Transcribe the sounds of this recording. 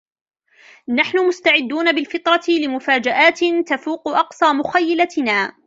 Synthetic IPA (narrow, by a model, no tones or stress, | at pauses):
naħnʊmʊst̪aʕɪd̪ːuːnabɪlfɨt̪ˤɾˤɑt̪ɪlɪmʊfaːd͡ʒaʔaːt̪ɪt̪afuːqʊʔɑqsˤɑːmʊxajːalat̪ɪnaː